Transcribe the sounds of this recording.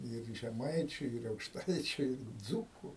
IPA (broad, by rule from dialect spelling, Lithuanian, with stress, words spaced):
ɪr ʒʲɛˈmɐɪt͡ʃʲʊ ɪr ɐʊkʃˈtɐɪt͡ʃʲʊ ɪr ˈd͡zuːkʊ